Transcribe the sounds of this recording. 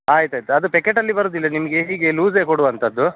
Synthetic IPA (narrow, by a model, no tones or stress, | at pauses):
aːjt̪aːjt̪uɐd̪upekːeʈɐlːibɐɾoːd̪ilːɐnimɐɡeɦiːɡeluːzeːkoɽuʋɐnt̪ʰɐd̪ːu